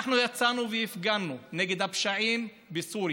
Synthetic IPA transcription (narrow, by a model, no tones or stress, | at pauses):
χnujat͡sanuvejifɡanuneɡed̪hapʃaʕim | besuɾ